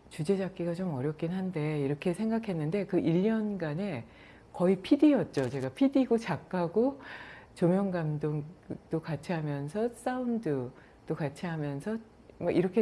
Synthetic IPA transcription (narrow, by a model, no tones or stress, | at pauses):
t͡ɕud͡ʑe̞d͡ʑak̚k͈iɡat͡ɕomʌɾjʌp̚k͈inɦande̞iɾʌkʰe̞sʰe̞ŋɡakʰe̞nːɯnde̞kɯʔiʎːʌnɡane̞ | kʌipʰidijʌt̚t͡ɕ͈ot͡ɕe̞ɡapʰidiɡot͡ɕak͈ʰaɡot͡ɕomjʌŋɡamdoŋd̥͈okat͡ɕʰiɦamjʌnsʰʌs͈aundɯ | d̥͈okat͡ɕʰiɦamjʌnsʰʌ | mʌiɾʌkʰe